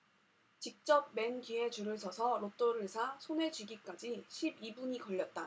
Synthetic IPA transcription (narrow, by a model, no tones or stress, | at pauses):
t͡ɕik̚t͡ɕ͈ʌb̚me̞nkiɦe̞t͡ɕuɾɯɭsʰʌsʰʌɾot͈oɾɯɭsʰasʰonet͡ɕɥiɡik͈ad͡ʑiɕʰibibuɲikʌʎːʌt̚t͈a